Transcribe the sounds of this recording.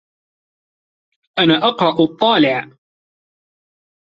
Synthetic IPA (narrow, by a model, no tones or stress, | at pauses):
ʔanaːʔɑqɾˤɑʔt̪ˤːɑːlɪʕ